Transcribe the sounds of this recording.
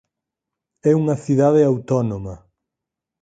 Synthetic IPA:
ɛuŋɐθiðaðeawt̪ɔnomɐ

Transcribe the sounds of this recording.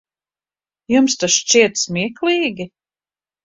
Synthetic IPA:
jumst̪aʃt͡ʃiɛt̪smiɛklˠiːɡʲi

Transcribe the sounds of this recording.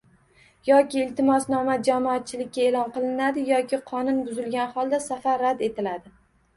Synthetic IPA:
jɒkʲɪːlt̪ʰɪmɒsnɒmad͡ʒamɒat̪̚t͡ʃʰɪlɪkʲːaelɒnqɨlˠɪnad̪ɪjɒkʲɪqʰɒnʊnbʊzɪlɡʲanχɒlˠd̪asafaɾːad̪e̞t̪ʰɪlad̪ɪ

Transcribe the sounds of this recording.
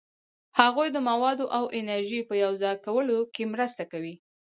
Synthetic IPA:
haɣujd̪əmawɑd̪oʔawʔɪnaɾʒipəjawzɑjkawəlokemɾəst̪akawi

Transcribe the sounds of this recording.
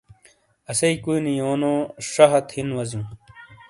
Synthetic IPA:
ɐsɐikuinijoːnõːʂɐɦɐt̪hinwɐzũː

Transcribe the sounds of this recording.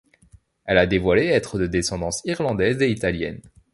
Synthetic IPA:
ɛlad̪evwaleɛt̪χəd̪əd̪esɑ̃d̪ɑ̃siʁlɑ̃d̪ɛzeit̪aljɛ̰n

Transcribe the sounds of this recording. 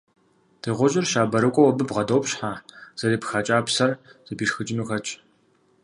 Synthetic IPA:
d̥ʰeʁʷɔʒʼɪrʃaːbɐɾɨkʷʼɔwɐbɨbʁɐdowpɕħaːz̥ɐɾeːpxaːt͡ʃʼaːpsɐrz̥ɐbiːʂxɨd͡ʒʼɪnuːxɐt͡ʃʼ

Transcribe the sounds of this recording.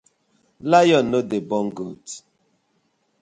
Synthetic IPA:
lajɔnodebɔ̃ŋɡot

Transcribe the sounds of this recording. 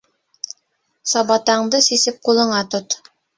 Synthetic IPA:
sɑbɑt̪ɑɴd̪ɤsisɘp̚qulˠɤ̆ɴɑt̪ot̪

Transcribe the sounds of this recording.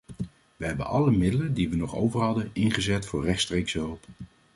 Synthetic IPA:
ʋəɦɛbənʔɑləmɪdələndiʋənɔχo̰wvəɹɦɑdənɪnχəzɛtfʊːɹrɛχtstrejksəɦɵlˠp

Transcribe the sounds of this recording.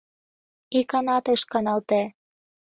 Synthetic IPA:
ikɑnɑt̪ɤʃkɑnɑlt̪e

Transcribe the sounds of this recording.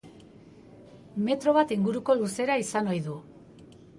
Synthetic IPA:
me̞t̪ɾo̞β̞at̪iŋɡuɾuko̞luse̞ɾaisano̞jðu

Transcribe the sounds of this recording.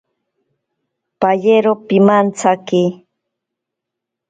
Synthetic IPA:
paʎeɾopimant͡saki

